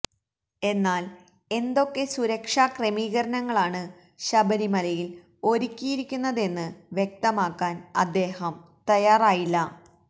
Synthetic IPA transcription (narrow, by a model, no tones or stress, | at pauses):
e̞nːaːl | e̞nd̪o̞kːe̞suɾɐkʂaːkremiːɣɐɾɐnɐŋːɐɭaːɳɨ | ɕɐbɐɾimɐlɐjil | o̞ɾikʲːijiɾikʲːunːɐðe̞nːɨʋjek̚t̪ɐmaːkːaːnɐ̰d̪ːe̞ːhɐm | t̪ɐjaːraːjilːɐ